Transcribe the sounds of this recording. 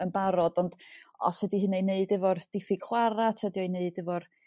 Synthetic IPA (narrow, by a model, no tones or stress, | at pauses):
ənbaɾɔdɔnd̥ɔ̰sədihɨnejneɨdɪvɔrd̥ɪfiɡ̥χwaɾatʰɛdiɔjneɨdɪvɔr